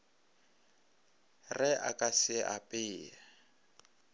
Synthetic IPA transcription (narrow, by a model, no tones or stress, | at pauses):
rɪʔa̰kʼasɪʔapʼɪːa